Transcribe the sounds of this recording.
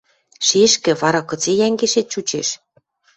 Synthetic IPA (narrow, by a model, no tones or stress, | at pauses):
ʃeʃkɘ̆βɑɾɑkɤ̆t͡sejæŋɡeʃet̪̚t͡ɕut͡ɕeʃ